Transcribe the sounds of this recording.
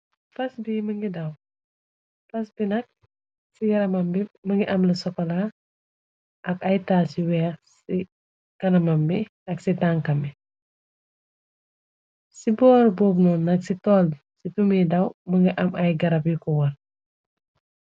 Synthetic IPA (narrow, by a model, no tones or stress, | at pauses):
pɐsbimɐŋɡidɐw | pɐsbinɐk̚ | siɡɐɾɐmɐmbimɐŋɡiʔɐmlɐsɔkɐla | ɐkɐjtaːsiwɛːsi | kɐnɐmɐmbi | ɐksitaŋkɐmi | sibɔːɾboːpnɔnːɐksitɔl | situmidɐwmɐŋɡiʔɐmɐjɡɐɾɐpjikɔwɐl